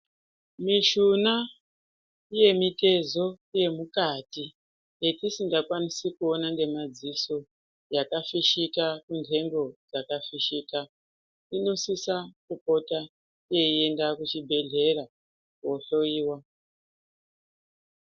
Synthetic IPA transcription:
miʃuna | ije̞mite̞zo̞ije̞mukati | je̞tisiŋɡakwanisikuonaŋɡe̞mad͡ziso | jakafiʃikakundʱe̞mbo̞d͡zakafiʃiːka | ino̞sisakupo̞ta | ije̞ie̞ndakut͡ʃibʱe̞ɮe̞ra | woɬo̞iːwa

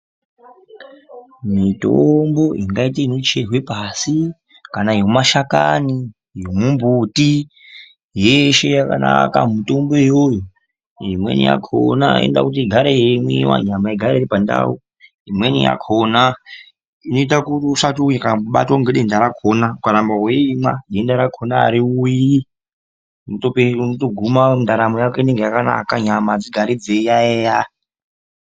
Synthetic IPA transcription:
mitombo̞ʔiŋɡait̬iinot͡ʃerwepasi | kanaijomaʃakani | jomumbuti | jeʃe̞jakana̰ka̰muto̞mbo̞ejojo | imwḛnḭja̰kʰo̰na̰ḛnda̰kut̬iɡʱaɾeimwiwa̰ɲamaiɡʱaɾeiɾipanda̰u | ɦimwenḭja̰kʰona | inoitakurʂatuikauɓa̰twoŋɡeɗendaɾakʰonaukaɾambaweimaɗendaɾakʰona̰ːɾiuji | notopenotoɡʱumaundaɾamojakeine̞ŋɡejakana̰kaɲamad͡ziɡʱaɾid͡zejaeːja

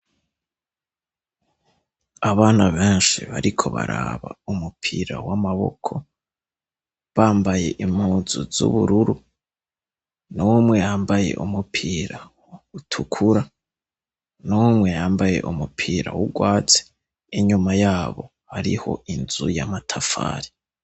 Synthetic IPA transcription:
aβaːnaβeːnʃiβaɾikʰo̞βa̰ɾa̰βaumupʰiɾa̰wamaβo̞̰kʰo̞ | βaːmbaje̞ʔimhuzuzṵβuɾuɾu | nuwumŋe̞jaːmbaje̞̰ʔumupʰiːɾa | utʰukʰuɾa | numŋe̞jaːmbaje̞̰ʔumupʰiːɾa̰wuɡwaːt͡se̥ | iɲumajaːβo̞̰ | haɾḭho̞̰inzujamatʰafa̰ːɾi

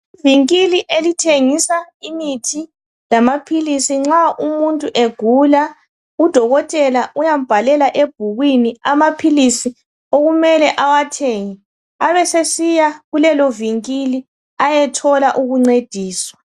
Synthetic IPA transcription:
iviŋkiliʔelitʰeŋisaimitʰi | lamapʰilisiŋ͡ǁaumuntʼuʔeɡ̥ʱula | ud̥ʱɔɣɔtʼɛlaujam̩b̥ʱalɛlaʔeb̥ʱuɣwiniamapʰilisi | oɣumɛlɛʔawatʰeŋi | aβɛsesijaɣulɛlɔviŋkʼili | ajɛtʰɔlaʔuɣuŋ͡ǀed̥ʱiːswa

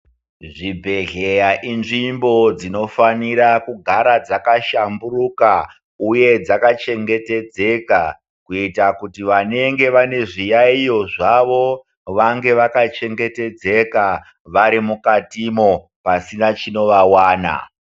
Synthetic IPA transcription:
ʐibʱe̞ɮejaʔinʐimbo̞d͡zino̞faniɾakuɡʱaɾad͡zakaʃamburuka | uje̞d͡zakat͡ʃe̞ŋɡe̞te̞d͡ze̞ka | kuitakutiʋane̞ŋɡe̞ʋane̞ʐijaijo̞ʐaʋo̞ | ʋaŋɡe̞ʋakat͡ʃe̞ŋɡe̞te̞d͡ze̞ka | ʋaɾimukatimo̞ | pasinat͡ʃino̞ʋawaːna̰

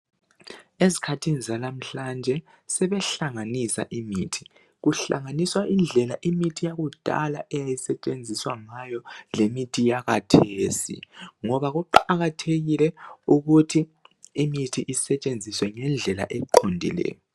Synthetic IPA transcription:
ezikʰatʰinizalam̩ɬand͡ʒʱɛ | sɛβɛɬaŋanisa̰ʔimitʰi̥ | ɣuɬa̰ŋaniswaʔind͡ɮʱɛlaʔimitʰijaɣud̥ʱa̰laʔɛjajisɛt͡ʃʼend͡zʱiswaŋajɔlemitʰijaɣatʰesḭŋɔβaɣuǃaɣatʰeɣilɛuɣutʰiːmitʰiʔisɛt͡ʃʼend͡zʱiswɛŋɛnd͡ɮʱɛla̰ʔɛǃʰondʱḭlɛ̰ːjɔ

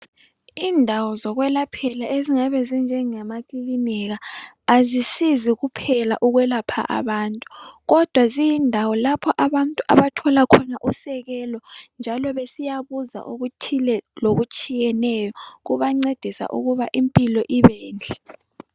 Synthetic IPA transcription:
iːndʱawɔzɔɣwɛlapʰɛlaʔeziŋaβɛzind͡ʒʱɛŋamakʼiliniɣaː | zisiziɣupʰɛla̰ʔuɣwɛlapʰa̰ʔa̰βaːntʼuɣɔd̥ʱwazijindʱawɔlapʰɔʔaβantʼuʔa̰βatʰɔlakʰɔnaʔusɛɣɛlɔnd͡ʒʱalɔβesijaβuza̰ʔuɣutʰilɛloɣut͡ʃʼijɛnɛjɔɣuβaŋ͡ǀed̥ʱisa̰ʔṵɣuβaʔimpʼilɔʔiβɛːnd͡ɮʱɛ

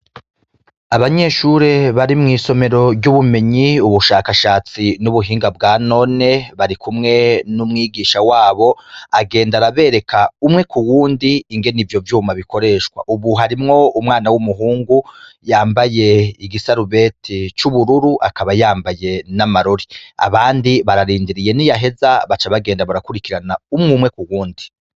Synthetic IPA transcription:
aβaɲe̞ːʃuɾe̞βaɾimŋiːso̞me̞ɾo̞ɾɟuβume̞ɲiuβuʃaːkaʃaːt͡sinuβuɦiːŋɡabɡaːno̞ne̞βaɾikʰumŋe̞numŋiːɡiːʃawaːβo̞aɡe̞ːndaɾaβe̞ɾe̞kʰaumŋe̞kuwuːndiːŋɡe̞nivjo̞vjuːmaβikʰo̞ɾe̞ːʃkwa̰ʔuβuɦaɾimŋo̞umŋaːnawumuɦuːŋɡujaːmbaje̞iɡisaɾuβe̞tʰit͡ʃuβuɾuɾuʔakaβajaːmbaje̞namaɾoɾia̰βaːndiβaɾaɾiːndiɾije̞nijaɦe̞zaβat͡ʃaβaɡeːndaβaɾakuɾikiɾanaumŋumŋe̞kuwuːndi

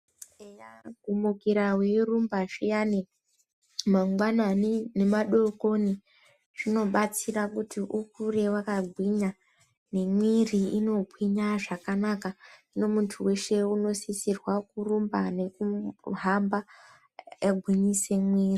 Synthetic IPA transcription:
ejaɡʱumukiɾawerumbaʐijani | maŋɡwananine̞maɗo̞ko̞ni | ʐino̞ɓat͡sirakutiʔukure̞wakaɡʱwiɲa | ne̞mwiriino̞bʱwiɲaʐakanakaino̞muntʰuwe̞ʃe̞uno̞sisirwakurumbane̞kuɦamba | jaɡʱwiɲise̞mwiːri

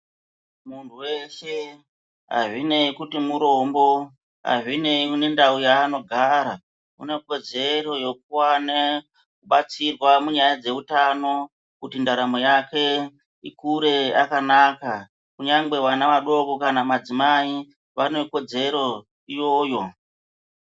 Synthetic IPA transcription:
muntʰuwe̞ʃe̞ | ɦa̰ʐine̞ikutimuɾo̞mbo̞ | ɦa̰ʐine̞iune̞ndaujaːno̞ɡʱaɾa | ṵne̞ko̞d͡ze̞ɾo̞jo̞k̚uwane | kuɓat͡sirwamuɲajad͡ze̞utano̞ | kutindaɾamo̞jake̞ | ikuɾe̞akanaːka | kuɲaŋɡ͡be̞wanaʋaɗo̞ko̞kanamad͡zimai | ʋane̞ko̞d͡ze̞ɾo̞ | ijo̞ːjo̞

